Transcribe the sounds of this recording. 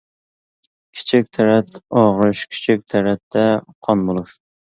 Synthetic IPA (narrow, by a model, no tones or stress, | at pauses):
kʲʰi̥t͡ʃʰik̚ʲt̪ʰɛɾɛt̪ɑʁɨʃkʲʰi̥t͡ʃʰik̚ʲt̪ʰɛɾɛt̪ʰːɛqʰɑnbolˠuʃ